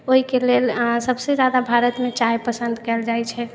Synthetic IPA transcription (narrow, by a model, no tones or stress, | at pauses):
oɦikelelsəbsed͡ʒad̪abʱaɾət̪met͡ʃajpəsə̃nd̪ʱkɛld͡ʒajt͡ʃʰɛ